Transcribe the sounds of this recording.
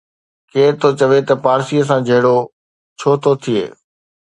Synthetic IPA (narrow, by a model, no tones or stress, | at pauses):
keːɾt̪ʰot͡ɕɐʋet̪ɐpaːɾsiːəs̬ãd͡ʑʱɐɦɪɽo | t͡ɕʰoːt̪ʰot̪ʰiḛː